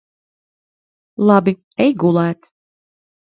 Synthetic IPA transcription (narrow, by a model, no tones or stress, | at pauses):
lˠabi | ɛjɡulˠæːt̪